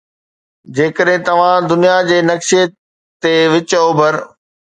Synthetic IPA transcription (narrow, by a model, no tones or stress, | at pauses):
d͡ʑeːkəɗɦɪ̃t̪ɐʋ̤ãd̪ʊnijad͡ʑeːnɐkʃiə | t̪eʋɪt͡ɕəobʱɐɾ